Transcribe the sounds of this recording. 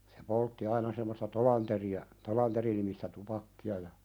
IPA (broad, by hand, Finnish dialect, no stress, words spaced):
se poltːi ɑinɑ semːostɑ tolɑnteriɑ tolɑnterinimistæ tupɑkːiɑ jɑ